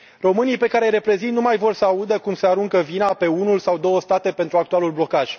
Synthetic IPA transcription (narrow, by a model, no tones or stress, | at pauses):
ro̞mɨnijpe̞kaɾe̞jɾe̞pɾe̞zint̪numajvo̞rsəaud̪əkumseaɾuŋkəvinape̞unulsawd̪o̞wəst̪at̪e̞pent̪ɾuak̚t̪ualulblo̞kaʒ̥